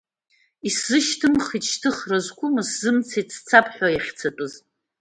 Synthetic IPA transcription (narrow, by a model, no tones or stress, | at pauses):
iszɨʃtʰɨmχit͡ʃʰtʰɨχrazkʷʼʊmɨszɨmt͡sʰajt͡sʰt͡sʰapʰʼħʷᶣajaχʲt͡sʰatʷʼʊz